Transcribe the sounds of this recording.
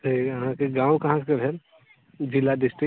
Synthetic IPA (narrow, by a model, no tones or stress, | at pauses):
t̪iɐɦãkeɡãːwkɐɦãkebʱel | d͡ʒɪlːaɖɪsʈɾi